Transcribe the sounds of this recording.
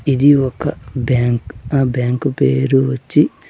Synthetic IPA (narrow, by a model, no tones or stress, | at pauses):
id̪iokːɐbaːŋkbaːŋkupeːɾuʋɐt͡ʃːi